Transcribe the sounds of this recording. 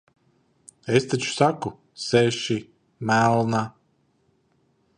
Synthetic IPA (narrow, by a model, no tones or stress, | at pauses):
est̪at͡ʃu̥saku | sɛʃi | mælˠna